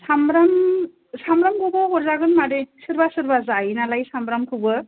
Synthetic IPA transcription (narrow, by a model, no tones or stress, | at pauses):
samɾam | samɾamkʰɯbɔɡɔɾzaɡɯnmadesɯɾbasɯɾbazajnalajsambɾamkʰɯbɯ